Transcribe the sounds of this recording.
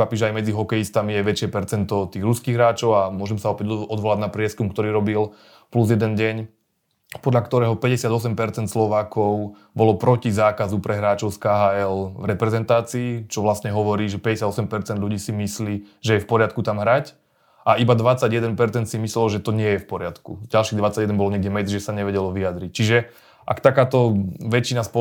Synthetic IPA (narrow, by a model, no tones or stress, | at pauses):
apiːʒɛajmɛd͡ziɦɔkɛjist̪amijɛʋɛt͡ʃɪɛpɛɾt͡sɛnt̪ɔt̪iːɣɾuskiːɣɦɾaːt͡ʃɔʊamʊɔʒɛmsaɔpɛɟɔd̪ʋɔlaɟnapɾɪɛskumkt̪ɔɾiːɾɔbil | pluzjɛd̪ɛnɟɛɲ | pɔd̪ʎakt̪ɔɾɛːɦɔpɛɟɛsɪad̪ɔsɛmpɛɾt͡sɛnt̪slɔʋaːkɔʊ | bɔlɔpɾɔcizaːkazupɾʔɛɦɾaːt͡ʃɔʊskaɦaːɛlvɾɛpɾɛzɛnt̪aːt͡siːt͡ʃɔʋlast̪ɲɛɦɔʋɔɾiːʒɛpɛɟɛsjad̪ɔsɛmpɛɾt͡sɛnd̪lʎuɟiːsimisliːʒɛjɛfpɔɾɪat̪kut̪amɦɾac | ʔaʔibad̪ʋat͡saɟjɛd̪ɛnpɛɾt͡sɛnt̪simislɛlɔʒɛt̪ɔɲɪɛjɛfpɔɾɪat̪kuɟalʃiːɣd̪ʋat͡saɟjɛd̪ɛnbɔlɔɲɛɡɟɛmɛd͡zʒɛsaɲɛʋɛɟɛlɔʋiad̪ɾic̚t͡ʃiʒɛ | ʔa̰kt̪akaːt̪ɔʋɛt͡ʃinaspɔ